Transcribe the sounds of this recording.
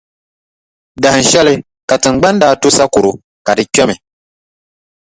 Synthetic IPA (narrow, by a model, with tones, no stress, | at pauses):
da˨hɨ˨n̩˨ʃɛ˦lɪ˦ | ka˨tɨ˨ŋ͡m̩˨ɡ͡ba˦n˦daː˦tu˦sa˦ku˨ɾʊ˨ | ka˨dɨ˨kɛ˦mɪ˨